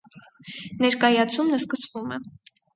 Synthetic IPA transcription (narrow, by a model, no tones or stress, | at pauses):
nɛɾkɑjɑt͡sʰumnəskəsvumɛ